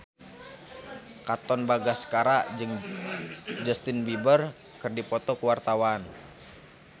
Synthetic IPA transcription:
kat̪ɔnbaɡaskaɾaʔd͡ʒɨŋ | d͡ʒast̪ɪnbibər | kɨrdipɔt̪ɔkuwart̪awan

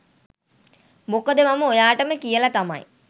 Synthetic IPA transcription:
mokəd̪əmaməojaːʈəməkijəlat̪ama̰j

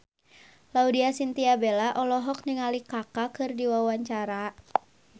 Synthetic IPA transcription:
laudiasint̪iabelaʔɔlɔɦɔk̚niŋalikakakɨrdiwawaɲt͡ʃaɾa

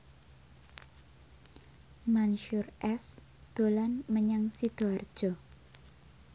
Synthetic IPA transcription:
manʃʊrʔɛs | d̪̥olanməɲaŋsit̪oar̥d͡ʒ̥ɔ

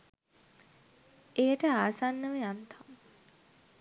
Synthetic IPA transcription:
ejəʈəaːsanːəʋəjant̪ʰam

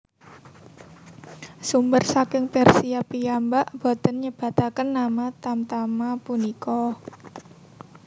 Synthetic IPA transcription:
sumbərsakɪŋpɛrsiapijambaʔb̥ɔd̪̥ə̤nɲəb̥a̤t̪akənːamat̪amt̪amapunikɔ

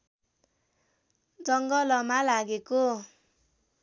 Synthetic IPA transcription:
d͡zʌŋɡʌlʌmalaɡeko

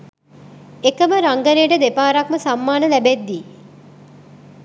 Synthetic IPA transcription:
ekəməɾaŋɡəɾijəʈəd̪epaːɾakməsamːaːnəlæbed̪ːi

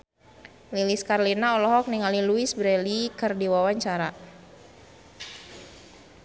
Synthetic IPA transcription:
liliskarlinaɔlɔɦɔk̚niŋaliluisbɾɛlikərdiwawaɲt͡ʃaɾa

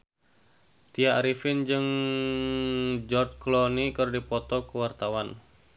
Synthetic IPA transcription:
t̪iaɾifɪnd͡ʒɨŋ | d͡ʒɔrt̪̚klɔnikɨrdipɔt̪ɔkəwart̪awan

